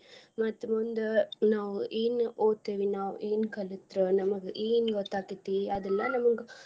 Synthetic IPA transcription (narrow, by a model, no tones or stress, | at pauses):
mɐt̪ːmund̪unaːʋeːnoːt̪eːʋinaːʋ̰eːnkɐlit̪ɾunɐmɐɡeʔeːnɡɔt̪ːaːkit̪ːiɐd̪ɛlːɐnɐmɐɡe